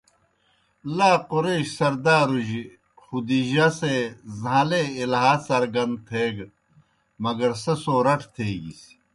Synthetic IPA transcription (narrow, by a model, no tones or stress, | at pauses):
laːqoɾeːɕsɐɾd̪aːɾuʑi | xud̪iʑasezãleilɦaːsɐɾɡɐnd̪t̪ʰeːɡ | mɐɡɐɾsɐsoːɾɐʈʰt̪ʰeːɡis